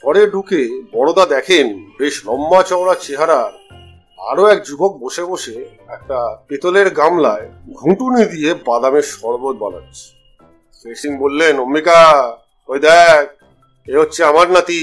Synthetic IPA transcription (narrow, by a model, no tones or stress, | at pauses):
pɔɽeɖʱukebɔɽ̃od̪ad̪ɛkʰenbeʃlɔmːat͡ɕɔwɽat͡ɕeɦaɾaɾ | a̰ɾoɛk̚d͡ʑubok̚boʃeboʃe | ɛk̚ʈapet̪oleɾɡamlaeɡʱũʈunid̪ijebad̪ameɾʃɔɾbot̪̚ba̰na̰tːt͡ɕʰe̥ | feʃiŋbolːenomːika | ɦojd̪ɛk̚ | eɦotːɕʰeamaɾnat̪i